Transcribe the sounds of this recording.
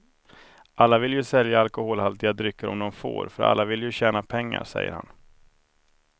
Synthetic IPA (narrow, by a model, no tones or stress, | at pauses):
ʔalːavɪljɵsɛljaːlkʊhoːlhalt̪ɪad̪ɾʏkːəɾɔ̰md̪ɔmfo̰ːɾfœɾa̰lːavɪlːjɵɕɛːnapʰɛŋːa̰ɾʂɛ̰jːə̰ɾha̰n